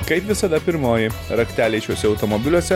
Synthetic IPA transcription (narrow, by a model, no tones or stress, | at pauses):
kɐɪpʋʲɪsɐd̪ɐpʲɪɾmoːjɪɾɐkt̪ʲæːlʲɛɪt͡ʃʲoːsʲɛɔʊt̪ɔmɔbʲɪlʲuɔsʲɛ